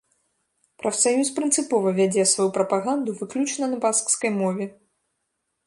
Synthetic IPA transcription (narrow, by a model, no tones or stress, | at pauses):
pɾɐfsajuspɾɨnt̪sɨpɔvɐvʲad͡zʲɛsvajupɾɐpaɣand̪uvɨklʲut͡ʂnɐnɐbaskskɐjmɔvʲɛ